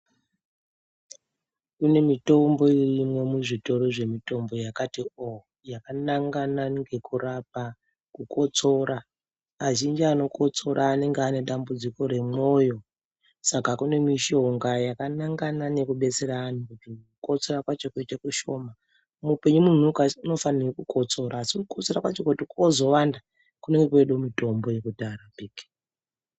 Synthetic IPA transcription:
kune̞mito̞mbo̞irimwo̞muʐito̞ro̞ʐe̞mito̞mbo̞jakatio | jakanaŋɡanaŋɡe̞kurap̚a | kukʰo̞t͡so̞ɾaː | ʒind͡ʒiano̞ko̞t͡so̞ɾaːne̞ŋɡeane̞ɗambud͡ziko̞ɾe̞mo̞jo̞ | sakakune̞miʃo̞ŋɡajakanaŋɡanane̞kuɓe̞t͡seɾaːn̤ukutikuko̞t͡so̞ɾakwat͡ʃo̞kuitakuʃo̞ma | mupe̞ɲumun̤ukauno̞fanirokuko̞t͡so̞ɾaːsiuukot͡so̞rakwat͡ʃokutikozo̞wanda | kune̞ŋɡekweɗomito̞mboje̞kudarabʱiːki̥

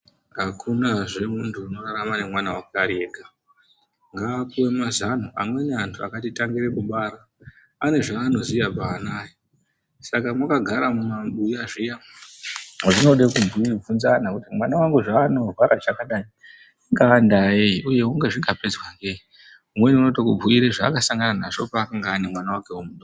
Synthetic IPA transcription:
ŋɡakʰunaʐe̞muntʰuːno̞raɾamane̞mwanawakaɾieːɡa | ŋɡaːkuwe̞mazan̤uʔamwe̞neantʰuakatitaŋɡiɾe̞kuɓaːɾaː | ne̞ʐaːno̞zijabaːnaːi | sakamwakaɡʱaɾamumaɓujaʐija | oʐino̞ɗekubub͡vunzanakutimwanawaŋɡuʐaːno̞rwaɾaʐakaɗai | iŋɡaːndaeiuje̞uŋɡe̞ʐiŋɡaped͡zwaŋɡei | umwe̞niunotokub͡vuiɾeʐaːkasaŋɡanana̰ʐo̞paːkaŋɡaːnemwanawakewomuɗo

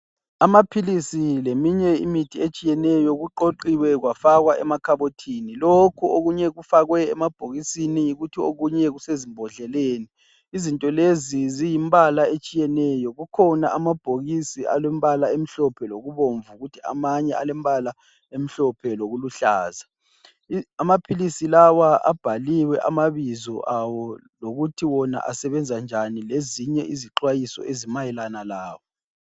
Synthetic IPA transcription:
amapʰilisilemiɲɛḭmitʰiet͡ʃʼijɛnɛjɔɣuǃoǃiwɛɣwafaɣwaʔɛmakʰaβotʰiːnilokʰuoɣuɲɛɣufaɣwɛɛmab̥ʱoɣisinijiɣutʰioɣuɲɛɣusezimbʱɔɮɛleːniː | zintʼɔlezizijimbʱalaet͡ʃʼijɛnɛjɔɣukʰɔnaʔamab̥ʱoɣisiʔa̰lɛm̩βalaem̩ɬɔpʰɛloɣuβoɱvuɣutʰia̰maɲɛalɛm̩bala | em̩ɬɔpʰɛloɣuluɬaːza | amapʰilisilawaʔa̰b̥ʱaliwɛʔamaβizɔʔawɔ | loɣutʰiwɔna̰ʔa̰sɛβɛnd͡zʱand͡ʒʱanileziɲɛ̰ʔiziǃwajisɔ̰ʔezimajɛlanalaːwɔ

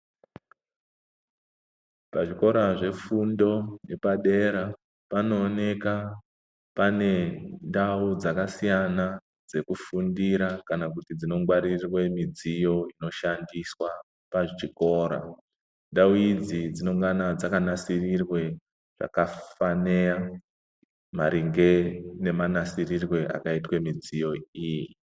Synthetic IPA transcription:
paʐiko̞ɾaʐe̞fundo̞ne̞paɗe̞ɾa | pano̞ːne̞ka | pane̞ndaud͡zakasijana | d͡ze̞kufundiɾakanakutid͡zino̞ŋɡwaɾirwe̞mid͡zijo̞ino̞ʃandiswa | paʐt͡ʃiko̞ɾa̰ | ndauid͡zid͡zino̞ŋɡanad͡zakanasirirwe̞ | ʐ̥a̰kafane̞ja | maɾiŋɡe̞ne̞manasirirwe̞ʔa̰kaitwe̞mid͡zijo̞iji

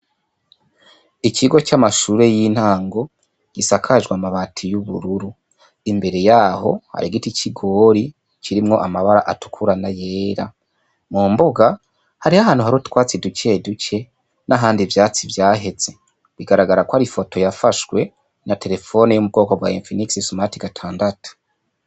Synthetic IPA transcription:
icʰiɡo̞t͡ʃamaʃuːɾe̞jiːn̥haːŋɡo̞ | ɡ̥isakʰaʒɡwamaβatʰijuβuɾuɾu | imbe̞ɾe̞jaːho̞ha̰ɾiɡiticʰiɡo̞ːɾi | ciɾimŋo̞ʔamaβaɾaʔatu̥kʰuɾanaje̞ːɾa̰ | muːmboɡa | haɾihaɦaːnhuɦaɾotwaːt͡siduce̞duce̞ | naɦaːndivjaːt͡sivjaːɦe̞z̥e̞ | βiɡaɾaɡaɾakwoaɾifo̞tʰo̞jafaʃwe̞ | natʰe̞ɾe̞fo̞nejomub̚ɡo̞ːkobwaeɱfiniksisumatiɡatʰaːndatu̥

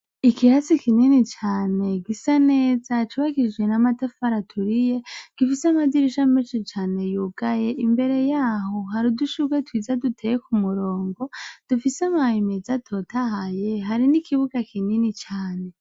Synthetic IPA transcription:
ikihat͡sikininit͡ʃaːne̞ɡisaneːzat͡ʃiβaɡid͡ʒɡe̞namatafaɾatʰuɾije̞ɡ̥ifisamadiɾiʃameʃit͡ʃaːne̞juɡ̥aje̞ʔimbe̞ɾe̞jaːɦoɦaɾiduʃuɡwetʰwiːzadutʰejekumuɾo̞ːŋɡo̞d̥ufisamaimezatʰo̞tʰaɦaje̞ɦaɾinikʰiβuɡakʰininit͡ʃaːne̞

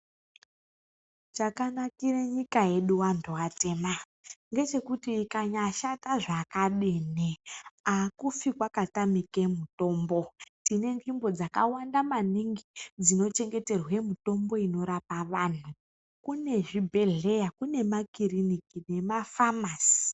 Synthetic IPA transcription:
t͡ʃakanakireɲikaje̞ɗuwantʰuate̞ma | ŋɡe̞t͡ʃe̞kutiːkaɲaʃataʐakaɗineakufikwakatamikemuto̞ːmbo̞tine̞nd͡ʒimbo̞d͡zaka̰wandamaniŋɡid͡zino̞t͡ʃe̞ŋɡe̞te̞rwe̞muto̞mbo̞ino̞ɾapaʋaːn̤u | kune̞ʐibʱe̞ɮe̞jakune̞makirinikine̞mafamaːsi̥

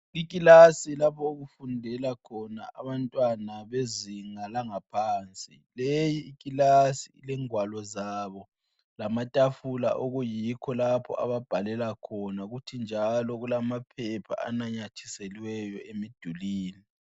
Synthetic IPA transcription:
ik̬ʼilasilapʰɔuɣufundʱɛlakʰɔna̰ʔaβantʼwanaβeziŋalaŋapʰaːnt͡sʼi | lejiːkʼilasiilɛŋwalɔzaβɔ | lamatʼafula̰ʔoɣujikʰɔlapʰɔ̰ʔa̰βab̥ʱalɛlakʰɔnaɣutʰind͡ʒʱalɔɣulamapʰɛpʰa̰a̰naɲat͡ʃʰi̥seliwɛjɔemid̥ʱuliːli

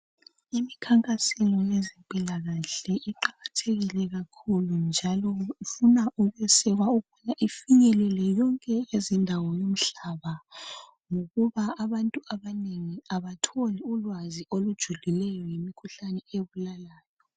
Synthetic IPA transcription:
imikʰaŋkʼasɛlɔjezɛmpʼilaɣaɬɛʔiǃaɣatʰeɣilɛɣakʰulund͡ʒʱalɔufunaʔuɣujɛsɛɣwaukʰɔnaʔifiɲɛlɛlɛjɔŋkʼɛjezindʱawɔjom̩ɬaβa | ŋoɣuβaːβantʼuaβaneŋiaβatʰoliulwaziʔolud̥ʒ̥ʱulilɛjɔjemikʰuɬanɛeβulalaːjɔ

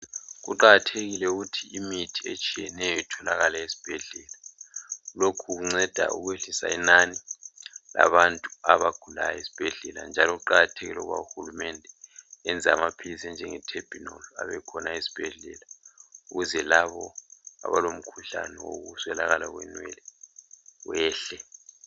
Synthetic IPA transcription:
ɣuǃaɣatʰeɣilɛuɣutʰiimitʰiet͡ʃʼijɛnɛjɔitʰɔlaɣalaesi̥b̥ʱɛɮɛːla | lokʰuɣuŋ͡ǀɛd̥ʱa̰ṵɣweɬisa̰ḭnani | la̰βantʼuaβaɡ̥ʱula̰jaisi̥b̥ʱɛɮɛla̰nd͡ʒʱaloɣuǃaɣatʰeɣiloɣuβa̰uxulumɛndʱɛɛnd͡zʱamapʰilisɛnd͡ʒʱɛŋɛtʰeb̥ʱinola̰βɛkʰɔnaisi̥b̥ʱɛɮɛlauɣuzɛlaβɔa̰βalom̩kʰuɬa̰nɛwo̰ɣuswɛlaɣalaɣwɛ̰nwɛ̰lɛ | wɛːɬɛ

